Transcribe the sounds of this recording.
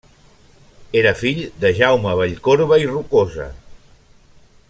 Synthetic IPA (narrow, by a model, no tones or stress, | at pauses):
eɾəfiʎd̪əʒawməβ̞əʎkoɾβəirukozə̰